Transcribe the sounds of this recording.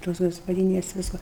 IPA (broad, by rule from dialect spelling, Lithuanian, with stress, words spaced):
toːs ɡɐspɐˈdʲiːnʲɛs ˈʋʲɪskoː